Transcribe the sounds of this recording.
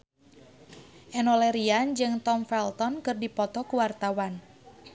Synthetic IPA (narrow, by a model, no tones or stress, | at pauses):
ʔɛnɔlɛɾiand͡ʒɨŋt̪ɔmfɛlt̪ɔnkɨrdipɔt̪ɔkuwart̪awan